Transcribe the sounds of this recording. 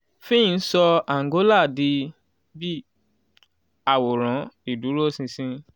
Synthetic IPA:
fĩ˦˧n̩˦sɔ˧a˨ŋ˨ɡo˨˦la˦˨di˧ | bi˦ | a˨wo˨ɾ̃ã˨˦i˨du˨˦ɾo˦sĩ˧sĩ˦

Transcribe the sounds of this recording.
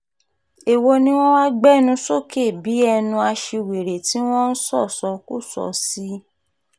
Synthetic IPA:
e˨wo˧nĩ˦w̃ɔ̃˦wa˦ɡ͡bɛ˦nũ˧so˦ke˦˨bi˨˦ɛ˧nũ˧a˧ʃe˧˨we˨ɾe˨ti˨˦w̃ɔ̃˦n̩˦sɔ˦˨sɔ˧kṵ˦˨sɔ̰˨˦si˦

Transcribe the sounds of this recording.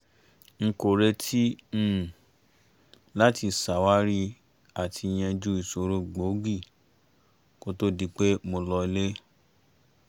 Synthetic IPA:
ŋ̩˧ko˨ɾe˧tʰĩ˦˨ | la˦ti˧sa˨wa˦ɾi˦ | a˨tʰi˧j̃ɛ̃˧d͡ʒu˦i˦˨so˧ɾo˦ɡ͡bo˨˦ɡi˦˨ | ko˦to˦di˧k͡pe˦mo˧lɔ˧i˧le˦

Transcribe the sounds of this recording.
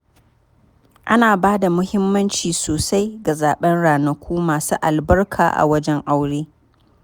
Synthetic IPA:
ʔa˦naː˨baː˦da˨mʊ˦hɪ˦mːɐ˦nt͡ʃiː˨soː˨sa˦jɡa˨zaː˨ɓɛ˦nɽaː˨nɐ˨kʷuː˦maː˨sṵː˦ʔa̰˨lbɐ˦rkʰa̰ː˨ʔa̰˨wɐ˦d͡ʒɛ˦ŋʔa˦wɽeː˦

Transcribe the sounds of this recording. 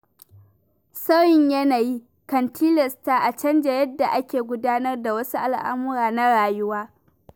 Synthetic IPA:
sɐ˦jɪ˨ɲjɐ˦naː˨ji˦ | kɐ˨ntʰiː˦lɐ˨staː˦ʔa˨t͡ʃɐ˦nd͡ʒa˨jɐ˦dːa˨ʔa˦kʲeː˨ɡʷʊ˦daː˦nɐ˦rda˨wɐ˦su˦ʔa˨lʔa̰˦mʊ˦ɾaː˨na˦ɽaː˨jʊ˦waː˦

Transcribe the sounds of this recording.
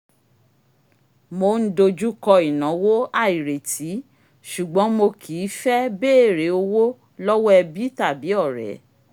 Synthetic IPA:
mo˧˨n̩˦do˧d͡ʒu˦kɔ˧i˨nã˨˦wo˦a˦˨i˨ɾe˨tʰi˨˦ | ʃu˨ɡ͡bɔ̃˨˦mo˧kʰiː˨˦fɛ˦be˦˨ɾe˨˦o˧wo˦ | lɔ˦wɔ˦ɛ˧bi˦ta˦˨bi˨˦ɔ˦˨ɾɛ̰˨˦

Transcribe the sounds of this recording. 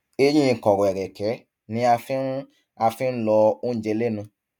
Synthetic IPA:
e˦j̃ĩ˦˨kɔ˨ɾɔ̃˨ɛ˨ɾɛ˨kɛ˨˦ | nĩ˨˦a˧fĩ˦ɾũ˦ | a˧fĩ˦n̩˦lɔ˧o˦ñ̩˦˨d͡ʒɛ˧le˦nũ˧

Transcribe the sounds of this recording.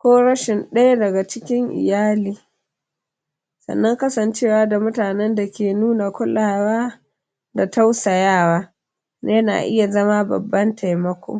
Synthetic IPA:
kʷoː˦ɽɐ˦ʃɪ˨nɗɐ˦ja˦dɐ˨ɡa˨t͡ʃɪ˦kʲɪ˦ŋʔɪ̰˨jaː˦liː˨ | sɐ̰˨nːɐ˦ŋkɐ˦sɐ˨nt͡ʃe˦˨waː˨˦da˨mʊ˦taː˨nɛ˦nda˨kʲeː˨nuː˦na˨kʷʊ˦la˨waː˦ | da˨ta˦wsa˨jaː˦˨waː˦ | ne˦na̰ː˨ʔɪ˦ja˨zɐ˦ma˦bɐ̰˨bːɐ˦nta˨jmɐ˦kʷo̰˦ŋ

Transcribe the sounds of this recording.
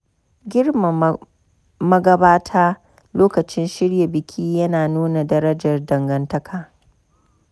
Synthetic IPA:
ɡʲɪ˦rma˨ | mɐ˦ɡɐ˦baː˦tʰaː˦ | loː˦kɐ˨t͡ʃɪ˦nʃɪ˦ɽja˨bɪ˨kʲʰiː˦jɐ˦naː˨nuː˦na˨dɐ˦ɾɐ˦d͡ʒɐ˨rdɐ˨ŋɡɐ˦ntɐ˦kʰaː˨

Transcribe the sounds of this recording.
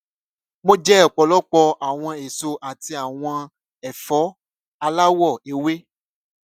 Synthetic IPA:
mõ˦d͡ʒɛ˦ɔ˨k͡pɔ˨lɔ˦k͡pɔ˧ʔa˨w̃ɔ̃˧e˨so˧ʔa˨ti˧a˨w̃ɔ̃˧ | ɛ˨fɔ˨˦ | a˧la˦wɔ˦˨e˨we˦

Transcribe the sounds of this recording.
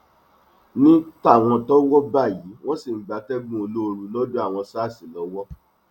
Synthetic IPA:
nĩ˦ta˦˨w̃ɔ̃˧tɔ˦wɔ˦ba˦˨ji˨˦w̃ɔ̃˦si˦˨˦ɡ͡ba˨˧tɛ˦ɡũ˦o˧lo˦o˧ɾu˧lɔ˦du˦a˦˨w̃ɔ̃˧saː˦˨si˨lɔ˨˦wɔ˦

